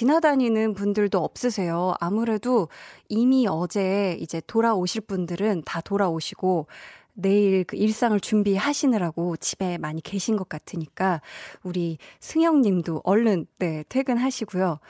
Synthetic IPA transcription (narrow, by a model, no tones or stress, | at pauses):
t͡ɕinɦadaɲinɯnpundɯɭdoʌp̚s͈ɯsʰe̞joamuɾe̞doimiʌd͡ʑe̞id͡ʑe̞toɾaoɕʰiɭp͈undɯɾɯntatoɾaoɕʰiɡ̥one̞iɾkɯiɭs͈aŋɯɭt͡ɕumbiɦaɕʰinɯɾaɡot͡ɕibe̞maɲike̞ɕʰinɡʌk͈̚atʰɯɲik͈auɾisʰɯŋjʌŋɲimdoʔʌɭːɯnːe̞tʰwe̞ɡɯnɦaɕʰiɡujo